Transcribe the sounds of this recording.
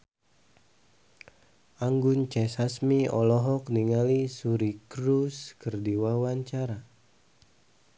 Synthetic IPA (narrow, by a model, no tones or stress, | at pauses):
ʔaŋɡunt͡ʃɛsasmiɔlɔɦɔk̚niŋalisuɾikɾuskərdiwawaɲt͡ʃaɾa